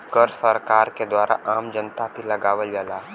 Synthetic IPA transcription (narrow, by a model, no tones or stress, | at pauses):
kəɾsəɾkaːɾked̪waːɾʔa̰ʔaːmd͡ʒənt̪ab̪ʱilɐɡaːʋəljalaː